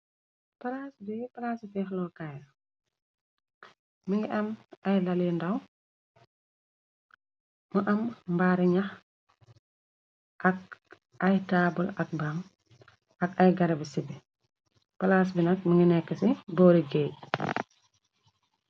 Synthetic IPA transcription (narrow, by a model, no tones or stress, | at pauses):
pɐlaːsbipɐlaːsifɛxlɔkaj | miŋɡiʔɐmɐjlɐlindɐw | məʔɐmmbaːɾiɲɐx | ʔɐk̚ | ɐjtaːbulɐk̚bam | ɐkɐjɡɐɾɛbisibi | pɐlaːs̬binɐk̚məŋɡinɛkːɐsibɔːɾiɡɛː